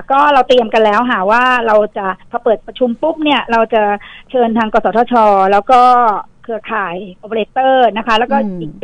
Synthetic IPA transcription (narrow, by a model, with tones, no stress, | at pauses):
kɔː˥˩ɾa˧wt̪ɾi˧əmka˧nlɛː˦˥wɦaː˨˩˦waː˥˩ɾa˧wt͡ɕa˨˩pʰɔː˧pɤː˨˩t̪̚pɾa˧t͡ɕʰu˧mpu˦˥˩p̚ni˥˩ɐɾa˧wt͡ɕa˨˩t͡ɕʰɤː˧nt̪ʰaː˧ŋkɔː˧sɔː˩˦t̪ʰːt͡ɕʰɔː˧lɛː˦˥wkɔː˥˩kʰɯ˧ɐkʰaː˨˩jʔo˨˧pʰːleː˦˥t̪ːɤː˥˩na˦˥kʰa˦˥lɛ˦˥wkɔː˥˩iː˨˩k̚